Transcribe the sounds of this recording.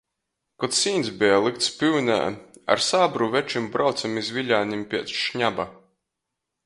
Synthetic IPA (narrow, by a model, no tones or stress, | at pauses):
kɔt̪siːnsbʲɛjalˠikt̪spʲywnʲa̰ːa̰ɾsaːbɾuvɛt͡ʃimbɾʔawt̪samizvʲiʎʲaːnimpʲiɛt̪sʃɲaba